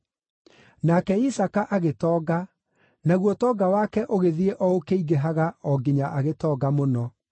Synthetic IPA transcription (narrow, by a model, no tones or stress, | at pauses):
nakɛisakaʔaɣetɔːɡa | naɣwɔtɔːɡawakɛʔoɣeðieʔɔokeiɣeɦaɣaɔɡeɲaʔaɣetɔːɡamonɔ